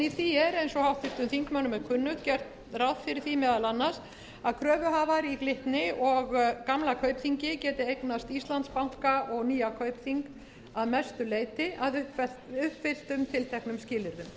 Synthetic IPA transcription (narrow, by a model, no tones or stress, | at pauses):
iθiɛɾejnsɔhawht̪ɪft̪ʏmθiŋkmœnʏmɛðkʰʏnːʏt̪cɛɾ̥t̪nrawðfɪɾɪɾθimɛːðalanːas | aðkʰɾœːvʏɦaːvaɾiklɪht̪nɪɔɣkamlakʰœːɥpθiɲcɪcɛːt̪ɪejknast̪ist̪lant̪spawŋ̥kaʔɔɣniːakʰœɥpθiŋk | aðmɛst̪ʏleːjt̪ɪʔaðʏɛʏhpfɪl̥t̪ʏmt̪ʰɪlt̪ʰɛhknʏmscɪːlɪɾðʏm